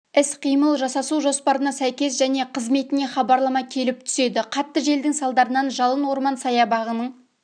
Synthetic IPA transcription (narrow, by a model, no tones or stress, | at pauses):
ɪsqʰijməlˠʒɑsɑsuwʒo̞spɑɾənɑsæjkʲe̞sʒæne̞qʰəzme̞t̪ɪne̞χɑbɑɾlˠɑmɑkʲʰe̞lɪp̚t̪ʰʏ̥se̞d̪ɪqʰɑt̪ːəʒe̞ld̪ɪŋsɑlˠd̪ɑɾənɑnʒɑlˠənwo̞ɾmɑnsɑjɑbɑʁənəɴ